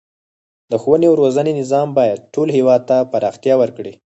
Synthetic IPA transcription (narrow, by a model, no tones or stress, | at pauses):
d̪̥əxowənewɾozənenɪzɑmbɑjad̪̚ʈolɦewɑd̪̚t̪apaɾɑxt̪ijɑwəɾkɽi